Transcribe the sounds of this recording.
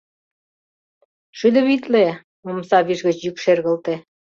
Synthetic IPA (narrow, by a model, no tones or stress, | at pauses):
ʃyd̪ə̆βit̪le | momsɑβiʒɣə̆t͡ɕjykʃerɣə̆lt̪e